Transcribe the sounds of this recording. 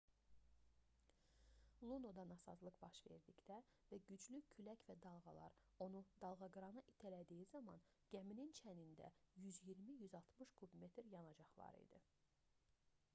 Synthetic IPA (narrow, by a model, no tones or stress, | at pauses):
lˠunod̪ɑnɑsɑ̰zlˠɯqbɑʃve̞̰ɾd̪icd̪ævæɟyd͡ʒlycʰylæcvæd̪ɑlˠɣɑlˠɑ̰ɾ | o̞nud̪ɑlˠɣɑɡɯɾɑnɯʔit̪ʰælæd̪ijizɑmɑ̰n | ɟ̥æminint͡ʃʰænind̪æ̰jyzjiɾmijyzɑlˠt̪ʰmɯʃkʰubme̞t̪ʰɾjɑnɑd͡ʒɑχlˠɑ̰ɾḭd̪i